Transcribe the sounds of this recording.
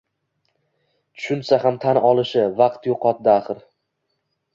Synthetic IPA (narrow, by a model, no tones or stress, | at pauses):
t̪ʰʊ̥ʃʊnsaɦamt̪ʰanɒlˠɪʃɪvɑqt̪joqʰɒt̪̚d̪aːχɨɾ